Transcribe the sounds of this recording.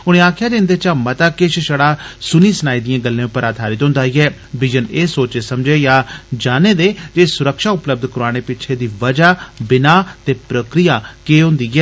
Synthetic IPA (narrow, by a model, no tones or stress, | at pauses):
ʊñẽːaːkʰɪjaːd͡ʒẽːnd̪eːt͡ʃaːmət̪aːkɪʃʃəɽaːsʊniːsənaːiːd̪ɪjãːɡəlːẽːʊpːəɾaːd̪ʱaːɾɪt̪ɦʊ̃nd̪aːiɛːʋɪd͡ʒəneːsoːt͡ʃeːsəmd͡ʒeːjaːd͡ʒaːneːd̪eːd͡ʒeːsʊɾəkʃaːʊpləb̚d̪kəɾaːɽ̃eːpɪt͡ʃʰeːd̪iːʋəd͡ʒaːbɪnaːt̪eːpɾəkɾijaːkeːɦʊ̃nd̪iːɦɛː